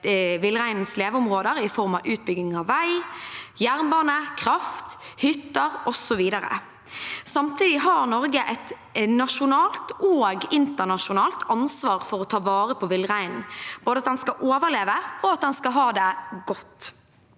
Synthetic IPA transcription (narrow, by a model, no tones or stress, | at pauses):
ʋɪlːəʁæɪnn̩sleːʋəʊmʁoːd̪əɾɪfɔʁmɑʔʉːt̪̚bʏɡɪŋɑʋːæɪjæʁnbɑːnəkʰʁɑft̪hʏt̪ːəɾɔsɔʋiːd̪əɾə̰ | sɑmt̪ʰiːd̪ɪɦɑʁnɔʁɡəʔɛt̪ | nɑʂʊnɑːlt̪oːɡɪnt̪əʁnɑʂʊnɑːlt̪ʰɑnsʋɑːɾfɔɾɔt̪ʰɑːʋɑːɾəpʰɔʋɪlːʁæɪnn̩b̥oːd̪əɑt̪d̪ɛnskɑʔoːʋəleːʋəɔɑt̪̚d̪ɛnskɑɦɑːd̪ɛɡɔt̪ː